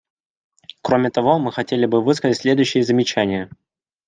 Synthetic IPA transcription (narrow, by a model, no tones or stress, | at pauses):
kɾo̞mʲɪt̪ɐvo̞mɨxɐtʲelʲɪbɨvɨskəzətʲsʲlʲe̞d̪ʊjʏɕːɪjəzəmʲɪt͡ɕænʲɪjə